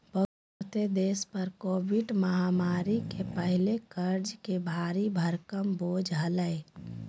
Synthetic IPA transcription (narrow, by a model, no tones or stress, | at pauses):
bə | t̪ed̪eːspəɾkoːbɪɖməɦamaːɾikepəɦɪlekəɾd͡ʒkebʱaːɾibʱəɾkəmboːd͡ʒɦələe